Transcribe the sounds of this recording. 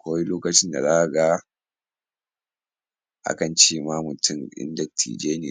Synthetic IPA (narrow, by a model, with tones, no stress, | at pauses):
kʷa˦i˦loː˦kɐ˨t͡ʃɪ˦nda̰˨za˦ʔa˨ɡaː˦ | ʔa̰˦kɐ˨nt͡ʃeː˦maː˦mʊ˨tʰʊ˦mʔɪ̰˦ndɐ˨tʰḭː˨d͡ʒeː˦nɪ˨